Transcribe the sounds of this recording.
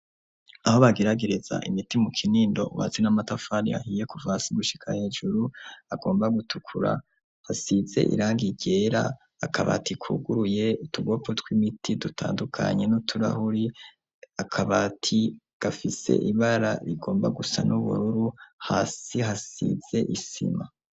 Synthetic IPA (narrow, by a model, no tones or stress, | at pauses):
aho̞βaɡeɾaɡeɾeza̰ʔimitimukʰiniːndo̞̰uβa̰zenamatafanḭa̰hiːje̞kuvaːsiɡuʃi̥kʰa̰he̞ːʒuɾuaɡo̞ːmbaɡutukʰuɾa̰ | hasize̞̰ʔḭɾaːŋɡiɟe̞ɾa̰ː | kʰaβa̰tikʰṵɡuɾuje̞utuɡo̞potwimitʰidutʰaːndukʰa̰ɲe̞nutʰuɾa̰huɾi | akʰaβatʰi | ɡ̥afise̞̰ʔiβaɾaɾiɡo̞ːmbaɡusa̰nuβṵɾuɾuhaːsihasḭz̥e̞ʔisḭma